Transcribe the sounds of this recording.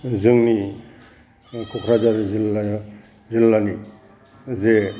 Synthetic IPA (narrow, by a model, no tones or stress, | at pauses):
zɯŋni | kʰɔkʰɾad͡ʒaɾzila | zilːani | ze